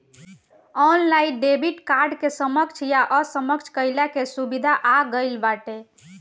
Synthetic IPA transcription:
ɔnlaiɖebiʈkaɾɖkesəməkt͡ʃʰjaʔəsəməkt͡ʃʰkəjlakesubid̪ʱaʔaɡəɪlbaʈe

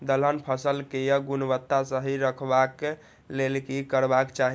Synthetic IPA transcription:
d̪ələnpʰəsəlkejəɡunbət̪ːasəɦiɾəkʰbak | lelkikəɾbakt͡ʃaɦi

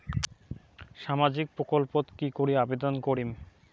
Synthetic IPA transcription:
ʃamad͡ʑik̚pɾokolpot̪kikoɾiabed̪onkoɾim

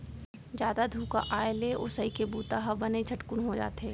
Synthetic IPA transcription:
d͡ʒjaːd̪ad̪ʱuːkaʔaːeleo̰ːsɐɦikebuːt̪aɦɐbɐnet͡ʃʰɐʈkʊnɦod͡ʒa̰ːt̪eː

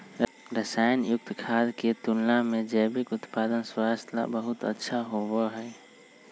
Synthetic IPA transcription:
ɾəsaːjənjʊk̚t̪kʰaːd̪ket̪ʊlnamẽd͡ʒəːbɪkʊt̪paːd̪ənswaːst̪ʰa̰bəɦʊt̪ə̰tːʃʰaɦobəɦɛː

